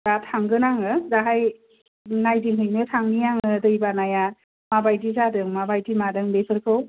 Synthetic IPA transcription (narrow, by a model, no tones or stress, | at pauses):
d̥atʰaŋɡɯnaŋɯdaɦaj | najdiŋɦɯjnɯtʰaŋnijaŋɯdɯjbanaja | mabajtizadɯŋmabajtimadɯŋbesʰɯɾkʰɯw